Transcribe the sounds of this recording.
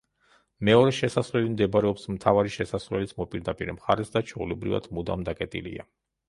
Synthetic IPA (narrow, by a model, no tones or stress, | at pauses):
mɛɔɾɛʃɛsasvlɛlimd̪ɛbaɾɛɔpsmt̪ʰavaɾiʃɛsasvlɛlit̪sʰmɔpʼiɾd̪apʼiɾɛmχaɾɛsd̪at͡ʃʰɔulɛbɾiva̰d̪̥mud̪a̰md̪akʼɛt̪ʼḭlḭa̰